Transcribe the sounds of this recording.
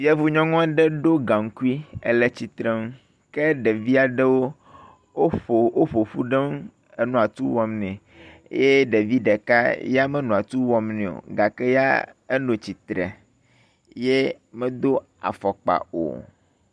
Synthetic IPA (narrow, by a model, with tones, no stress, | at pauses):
jɛ˦vu˦ɲɔ̃˦ŋɔ̃˦ɖɛ˦ɖo˦ɡa˨ŋ̩˦ku˦i˦ḛ˦le˦t͡ɕi˨t̪ɾɛ˦m˦ | kɛ˦ɖɛ˨vi˦a˨ɖɛ˦wo˦ | wo˦o˨wo˦ɸo˨ɸu˦ɖɛ˦m˦ | nũ˨a˨t̪u˦wɔ˦mnɛ̰̃˨˦ | je˦ɖe˨vi˦ɖɛ˨ka˦ja˦mɛ˦nũ˨a˨t̪u˦wɔ˦mnɛ̃˨o̰˨ɡa˨kɛ˦ja̰˦e˦nõ˨t͡ɕi˨t̪ɾɛ̰˨ | je˦ | mɛ̃˦d̪o˦ | a̰˨fɔ˨k͡pa̰˨o̰˨